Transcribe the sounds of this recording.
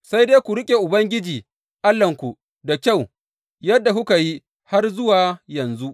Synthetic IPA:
sa˦jdeː˦kʷu˨ɾɪ˦kʲʼe˨ʔʊ˨bɐ˦ŋɡʲɪ˦d͡ʒiː˨ | ʔa˦lːɐ˨ŋkʷu˨ | da˨kʲa˦˨w | jɐ˦dːa˨kʊ˦ka˨ji˦ | ha˦rzʊ˦waː˨jɐ˨nzu˦ʔ

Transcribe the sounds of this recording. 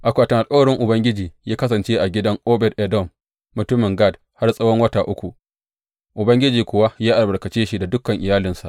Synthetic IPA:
ʔa˨kʷaː˨tɐ˨ʔa˨kʼa˦wɐ˨ɽɪ˦ŋʔʊ˨bɐ˦ŋɡʲɪ˦d͡ʒiː˨jaː˦kɐ˦sɐ˨nt͡ʃeː˦ʔa˨ɡʲɪ˦dɐ˦ŋʔoː˦bɛ˨rʔɛ˨dɔ˦˨mː | ʊ˨tʊ˦mɪ˨ŋɡa˦˨d | ha˦rsʼɐ˦wɔ˦ŋwɐ˦taː˨ʔʊ˦kʷu˨ | ʔʊ˨bɐ˦ŋɡʲɪ˦d͡ʒiː˨kʷʊ˦wa˦jaː˦ʔa˨lbɐ˨ɽkɐ˨t͡ʃeː˦ʃi˦da˨dʊ˦kːɐ˨ŋʔɪ˨jaː˦lɪ˨nsa˨

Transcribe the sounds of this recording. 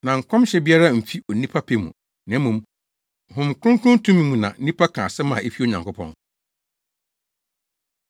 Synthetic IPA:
nã˨ŋ̩˨kʷʰɔ̃˦mɕɛ˦bi˦a˦ɾa˦m̩˨fi˦o˨nĩ˦pʰa˦pʰe˦mṵ̃˨ | nɛ̃˨˦mːũ˨m˨ | hʊ̃˨m˨kʰʊ̃˦ŋ˦kʰʊ̃˦n˦tʰũ˦mĩ˦mũ˨nã̰˨˦nĩ˦pʰa˦kʰã˨sɛ˦mã̰˨ʔe˦fi˦o˨ɲã˨ŋkʊ˦pʰɔ̰̃˦n

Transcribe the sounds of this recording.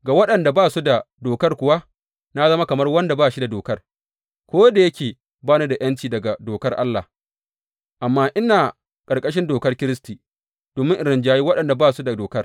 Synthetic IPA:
ɡa˨wɐ˦ɗɐ˨nda˨baː˦˨su˦da˨doː˨kɐ˦rkʷʊ˨wa˦ | na˦zɐ˦ma˦kɐ˨mɐ˦rwɐ˦nda˨baː˦˨ʃi˦da˨doː˨kɐ˦r | kʷoː˦da˨jɐ˦kʲeː˨ | baː˦na˦da˨j̰ɐ˦nt͡ʃiː˨dɐ˨ɡa˨doː˨kɐ˦rʔa˦lːa˨h | ʔa˨mːaː˦ʔɪ˦naː˨ | kʼɐ˨rkʼɐ˦ʃ̬ɪ˦ndoː˨kɐ˦rkʲɪ˦ɾɪ˦stiː˨ | d̥oː˨mɪ˦ŋʔɪ˨ɾɪ˨nd͡ʒaː˦ji˦wɐ˦ɗɐ˨nda˨baː˦su˦da˨doː˨kɐ˦r

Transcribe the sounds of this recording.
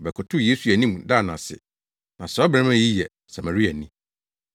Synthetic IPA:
bɛ˨kʰɔ˨tʰʊ˦je˦su˨æ˨nĩ˦m˨da˦˨nã˨sɪ̰˨ | nã˨sɔ˦bɛ̃˦mã˦ji˦jɛ˨ | sa˨mæ̃˨ɾi˦æ˨nĩ˦

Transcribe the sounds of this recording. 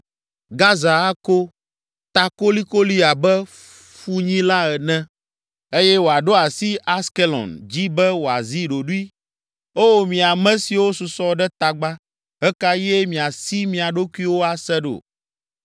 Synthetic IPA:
ɡa˦za˨a˦ko˦ | t̪a˨ko˦li˦ko˦li˦a˨bɛ˦ | fu˦ɲĩ˦la˦ɛ˨nɛ̃˦ | e˦jɛ˦wo˨a˨ɖo˦a˨si˦a˦ske˦lɔ̰˨nd͡ʑi˦bɛ˦wo˨a˨zi˦ɖo˨ɖu˦i˦ | o˦wo˦mĩ˨a˨mɛ̃˦si˨wo˦su˨sɔ˦ɖɛ˦t̪a˨ɡ͡ba˦ | ɦɛ˦ka˦jɛ˦mĩ˨a˨si˦mĩ˨a˨ɖo˦ku˦i˦wo˦a˨sɛ˦ɖo̰˨

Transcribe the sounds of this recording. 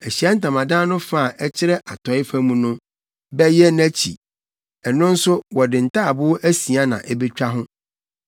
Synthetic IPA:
æ˨ɕi˨ɛ˦n̩˦tã˨mã˨dãː˦nʊ̃˦fa˦a˨ʔɛ˦t͡ɕʰɪ˦ɾɛ˦ʔa˨tʰɔ˨˦ɪ˦fã˦mũ˨nʊ̃˦ | bɛ˦jɛ˦næ̃˦t͡ɕʰḭ˨ | ɛ˨nʊ̃˦n̩˦sʊ˦wɔ˨dɪ̃˨n̩˨tʰa˦˨bʊ˦ʔæ˦sĩ˨a˦nã̰˨ʔɛ˦be˦t͡ɕᶣa˦ɦʊ̃˦

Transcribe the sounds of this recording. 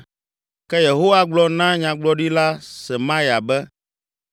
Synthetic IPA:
kɛ˦je˨ɦo˦wa˦ɡ͡blɔ˦nã˦ɲã˨ɡ͡blɔ˦ɖi˦la˦sɛ˨mã˦ja˨bɛ˦

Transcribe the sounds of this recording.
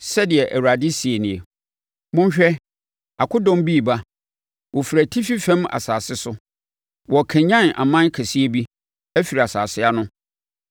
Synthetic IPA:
sɛ˦dɪ˨ɛ˨ʔæ˨wu˨ɾa˨di˦si˨e˨nɪ̃˨ɛ˨ | mʊ̃˦ɕᶣɛ˦ | a˨kʰʊ˦dɔ̃˦mbiː˦˨ba˦ | wʔɔ˨fi˨ɾæ˨tʰi˦fi˦fɛ̃˦ma̰˨saː˨sɪ˦sʊ˦ | wɔ˨kʰæ̃˨ɲã˦nʔa̰˨mã˦kʰɛ˨si˦e˦bi˦ | ɛ˦fi˨ɾa˨saː˨sɪ˦a˦nʊ̃˦

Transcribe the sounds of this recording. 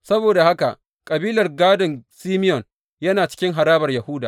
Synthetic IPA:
sɐ˦boː˨da˨ha˦ka̰˨ʔ | kʼɐ˨biː˦lɐ˨rɡaː˦dɔ˨ŋsiː˦mɪ˦jɔ˨n | jɐ˦naː˨t͡ʃɪ̥˦kʲɪ˦ŋɦa˨ɾaː˦bɐ˨rjɐ˨hʊː˦daː˨

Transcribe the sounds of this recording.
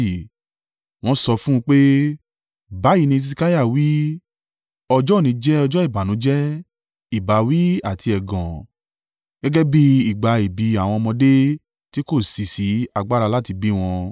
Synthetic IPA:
w̃ɔ̃˦sɔ˧fũ˦˧k͡pe˦ | ba˨˦ji˨˧nĩ˧s̬i˧ka˦ja˦˨wi˦ | ɔ˧d͡ʒɔ˦˨nĩ˨˧˦d͡ʒɛ˦ɔ˧d͡ʒɔ˦i˦˨ba˨nũ˨˦d͡ʒɛ˦ | i˦˨ba˨wi˦a˦˨ti˧ɛ˨ɡɔ̃˨ | ɡ̥ɛ˦ɡɛ˦bi˦i˦˨ɡ͡ba˨i˨bi˨˦a˨w̃ɔ̃˧mɔ̃˧de˦ | ti˦ko˦˨si˨si˨˦a˧ɡ͡ba˦ɾa˧la˦˨ti˧bi˦˨w̃ɔ̃˧

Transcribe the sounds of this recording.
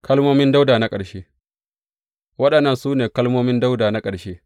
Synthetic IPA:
kʰɐ˦lmoː˦mɪ˦nda˦wdaː˨na˦kʼɐ˨ɽʃeː˦ | wɐ˦ɗɐ˨nːɐ˦˨nsuː˦neː˨kɐ˦lmoː˦mɪ˦nda˦wdaː˨na˦kʼɐ˨ɽʃeː˦

